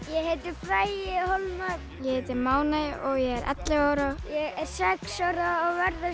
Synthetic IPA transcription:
jɛɦejt̪ɪfɾaːjɪhɔlmak | jɛheːjt̪ɪɾmaːwnajɪʔɔɣjɛɛɾʔɛ̰t̪lɪɣaːwɾajɛɣɛɾ̥sɛksawɾaːɣvɛɾðɪ

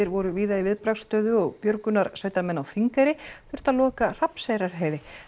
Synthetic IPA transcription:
ɪɾvɔɾʏviːðaivɪðpɾakst̪œːðʏɔɣpjœɾkʏnaɾ̥saːjt̪amɛnːawθiŋkaɾɪθʏɾ̥t̪aðlɔːkar̥apsajɾaɾ̥ɦeːjðɪ

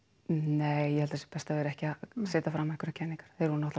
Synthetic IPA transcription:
neːjjɛhalt̪sɛpɛst̪avɛːɾɛhcɪaseːt̪afɾamːaɛkʰʏɾaɾcʰɛnːiŋkaɾ̥θeɾhunnɔht̪

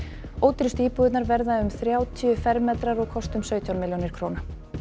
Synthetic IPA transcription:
oːwt̪ɾɪst̪iːpuːðɪt̪naɾvɛɾðaʏmθɾjaːwt̪ʰiʏfɛɾmːɛt̪ɾaɾɔɣkʰɔst̪ʏmsœːɥt̪ʰjawnmɪljownɪɾ̥kʰɾoːwna

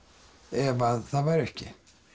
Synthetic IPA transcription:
ɛvaðθavaɾʏhcːɪ

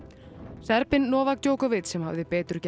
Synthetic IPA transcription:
sɛɾpɪnːɔːvakc̪joːwkavɪt̪sɛmha̰vðɪpɛːt̪ʏɾ̥cɛ

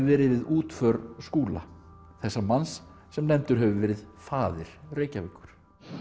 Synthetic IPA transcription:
vɛːɾɪðvɪðuːt̪fœɾskuːla̰ | θɛsːamansː | ɛmnɛmt̪ʏɾ̥ɦɛvʏvɛːɾɪðfaːðɪɾ̥reːjcavɪkːʏɾ̥

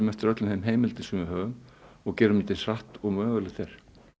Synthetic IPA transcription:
mɛft̪ɪɾœt̪lʏnθemɦeːjmɪlt̪ɪsɛmvɪhɦœːɣʏmɔɣcɛːɾʏmɪnt̪ɪnsraht̪ɔɣmœːɣʏlɪɣθejɾ̥

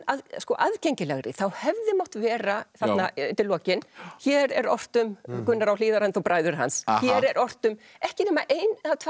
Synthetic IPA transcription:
aðskɔʔaðcejɲcɪlaɣɾɪ̰θawhɛvðɪmɔwht̪vɛːɾaθat̪nat̪ɪlɔːcɪnçɛːɾɛɾɔr̥t̪ʏmkʏnːaɾawliːðaɾanθuwpɾaːjðʏɾ̥ɦa̰nsçjɛɾɛɾʔɔr̥t̪ʏm | ɛhcɪnɛmaʔeːjnaðt̪ʰ

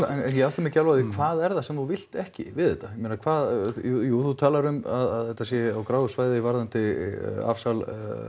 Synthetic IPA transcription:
ɛnɛnjɛawht̪amɛcalvaðikʰv̥aːðɛɾðasɛmθuvɪl̥t̪ɛhcɪ̰vɪðɛt̪ːajɛmeːnakʰvaːðujuːθut̪ʰaːlaɾʏmaðaðɛht̪ːasjɛawkɾaːwɣʏsvaːjðɪivaɾðant̪ɪa̰fsal

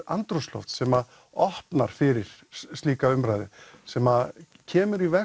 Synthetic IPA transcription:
a̰nt̪ɾɔst̪lɔ̰wft̪sɛːma | ɔhpnaɾ̥fɪɾɪɾ̥st̪iːkaʏmɾaːjðɪ̰sɛma | cʰɛːmʏɾivɛ

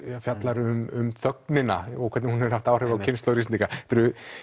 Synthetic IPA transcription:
fjat̪laɾʏmʏmθœknɪna̰ɔɣkʰvɛt̪nɪhunɛɾ̥haft̪aːwrɛvawkcʰɪnst̪owɾis̬nikat̪ʏɾʏ

